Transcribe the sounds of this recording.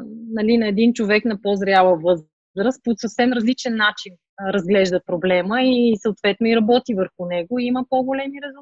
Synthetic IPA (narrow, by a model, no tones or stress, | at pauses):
nɐlinɐɛd̪int͡ʃovɛknɐpozɾʲjalˠəvɤz | ɾəst̪̚posəfsɛmɾəzlit͡ʃɛnːat͡ʃin | ɾɐzɡlɛʒd̪əpɾoblɛməisəot̪vɛt̪noiɾɐbɔt̪ivəɾxunɛɡoiməpoɡolɛmiɾɛzˠ